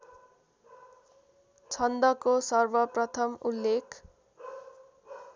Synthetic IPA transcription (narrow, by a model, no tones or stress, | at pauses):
t͡sʰʌnd̪ʌkosʌrbʌprʌt̪ʰʌmulːekʰ